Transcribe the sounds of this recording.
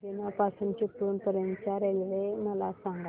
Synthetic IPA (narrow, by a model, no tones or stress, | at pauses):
d̪inapasunt͡ɕipːuːnpəɾjənt̪t͡ɕaɾelʋeməlasãŋɡa